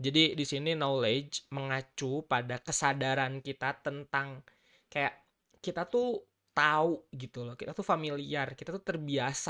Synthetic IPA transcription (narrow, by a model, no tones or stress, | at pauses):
d͡ʒadidisininoled͡ʒməŋat͡ʃupadakəsadaɾankit̪at̪ənt̪aŋ | kajaʔ | kit̪at̪u | t̪auɡit̪ulɔkit̪at̪ufamiliarkit̪at̪ut̪ərbiasa